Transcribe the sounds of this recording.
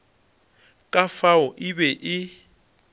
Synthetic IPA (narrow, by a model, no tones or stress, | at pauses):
kʼafaʊʔɪbɛʔɪ